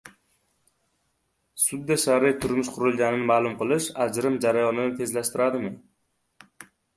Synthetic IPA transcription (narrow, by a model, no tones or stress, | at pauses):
sʊd̪ːaʃaɾɪjt̪ʰʊɾmɪʃqʰʊɾɪlˠɡʲanɪnɪmaːlˠʊmqɨlˠɪʃad͡ʒɾɪmd͡ʒaɾajɒnɪnɪt̪ʰe̞zlaʃt̪ɪɾad̪ɪmɪ